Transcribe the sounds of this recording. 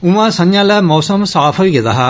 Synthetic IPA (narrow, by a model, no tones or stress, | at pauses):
ʊ̃ʋãːsə̃ɲjãːlɛːmɔːsəmsaːpʰoːiɡed̪a̰ːɦaː